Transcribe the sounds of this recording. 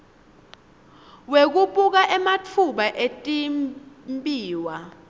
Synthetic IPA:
wek̬uɓuk̬aʔɛmat͡fʰuɓaʔetʼimmpʼiːwa

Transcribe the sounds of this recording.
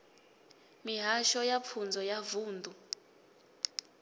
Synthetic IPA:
miɦaʃɔjapʰund͡zʱɔjavuːnd̪ʱu

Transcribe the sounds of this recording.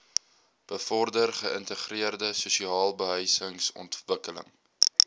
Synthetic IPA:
b̥əfɔrdərχəəntəχriərdəsusiɑːlˠbəɦœjsəŋsɔ̰ntvəkələ̰ŋ

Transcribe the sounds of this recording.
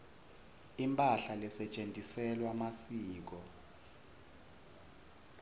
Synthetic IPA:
impʼaɬalɛsɛt͡ʃʼentʼisɛlwamasiːk̬ɔ

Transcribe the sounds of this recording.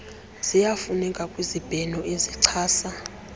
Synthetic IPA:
z̥ijafunɛkʼakʼwizib̥ʱɛnɔʔeziǀʰaːsa

